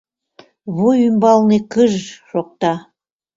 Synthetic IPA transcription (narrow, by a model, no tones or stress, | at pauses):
βojymbɑlˠnekəʒʃoq̚t̪ɑ